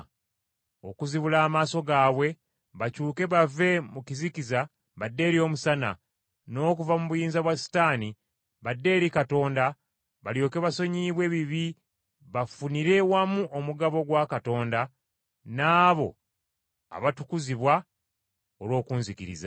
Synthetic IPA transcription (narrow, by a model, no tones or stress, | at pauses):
o̞̰kuziβulaːmaːso̞ɡaːwe̞ | βacuːke̞βave̞mukizikiza | βadːe̞ːɾio̞musana̰ | no̞ːkuvamuβujiːnzaβwasi̥taːni | βadːe̞ːɾikato̞ːnda | βaljo̞ːke̞βaso̞ɲiːβwe̞ːβiβi | βafuniɾe̞wamuʔomuɡaβo̞ɡwakato̞ːnda | naːβo̞̰ | a̰βatukuziβwa | olo̞ːkuːnzikiɾḭza